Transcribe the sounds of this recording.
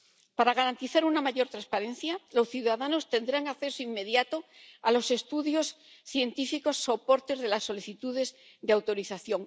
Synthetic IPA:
paɾaɣ̞aɾant̪iθaɾunamaʝo̞ɾt̪ɾaspaɾe̞n̟θjalo̞sθjuðaðano̞st̪e̞nd̪ɾaŋakθe̞soimːe̞ðjat̪oalo̞se̞st̪uðjo̞s | θje̞nt̪ifiko̞sːo̞po̞ɾt̪e̞zðe̞lasːo̞liθit̪uðe̞z | ðeawt̪o̞ɾiθaθjo̞ŋ

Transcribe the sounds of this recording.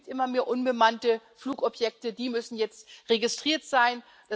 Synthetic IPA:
tʔɪmɐmeːɐʔʊnbəmantə | fluːkɔpʰjɛk̚tədiːmʏsn̩jɛt͡stʁeɡɪstʁ̥iːɐtz̥aɪn | d̥a

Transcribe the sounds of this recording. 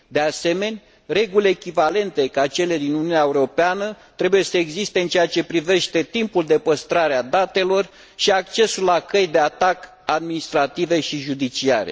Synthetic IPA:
d̪e̞ase̞me̞nʲ | re̞ɡulʲeːkʲivale̞nt̪e̞kat͡ʃe̞le̞d̪inununʲaeuɾo̞peanət̪ɾe̞buje̞səeɡzist̪eɨnt͡ʃejat͡ʃe̞pɾive̞ʃt̪e̞t̪impuld̪e̞pəst̪ɾaɾead̪at̪e̞lo̞r | ʃiak̚t͡ʃe̞sulːakəjd̪e̞at̪ak | ad̪minist̪ɾat̪ive̞ʃiʒud̪it͡ʃia̰ɾḛ

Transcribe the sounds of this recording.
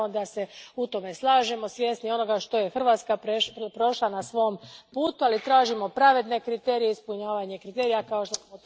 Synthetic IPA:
od̪ase̞ut̪o̞me̞slˠaːʒemo̞sʋje̞ːsnijo̞no̞ɡaʃt̪o̞je̞xr̩ʋaːt̪skapepɾo̞ʃlanasʋo̞mpuːt̪ualit̪ɾaːʒimo̞pɾaʋe̞d̪ne̞kɾit̪e̞ːɾijeispuɲaːʋaɲe̞kɾit̪e̞ːɾijakaoʃt̪osmo

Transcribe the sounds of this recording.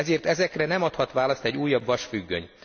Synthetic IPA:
ɛzeːrt̪ɛzɛkrɛnɛmɒt̪hɒt̪ʋaːlɒst̪ɛɟːuːjːɒbʋɒʃfyɡːø̰ɲ

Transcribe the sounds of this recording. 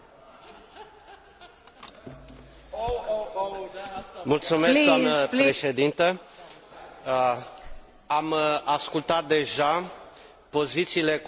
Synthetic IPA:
mult̪sumesk̪oamnəɾeʃe̞d̪int̪ə | amaskult̪at̪̚d̪e̞ʒa | po̞zit̪siːle̞k

